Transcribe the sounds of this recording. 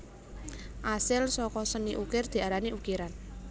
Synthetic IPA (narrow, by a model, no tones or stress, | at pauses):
ʔasɪlsɔkɔsəniʔukɪrd̪̥i̤aɾaniʔukiɾan